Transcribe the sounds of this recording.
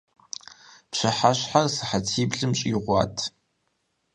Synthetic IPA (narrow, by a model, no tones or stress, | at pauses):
pɕɐħaɕħarsɨħatʰiːbɮɨmɕʼiʁʷɑ̰ːtʰ